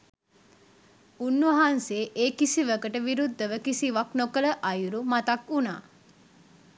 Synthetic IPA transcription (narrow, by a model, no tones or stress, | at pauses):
unːʋɐɦanseːʔeːkisiʋəkəʈəʋiɾud̪ːəʋəkisiʋaknokələʔɐjuɾumat̪ɐkuna̰ː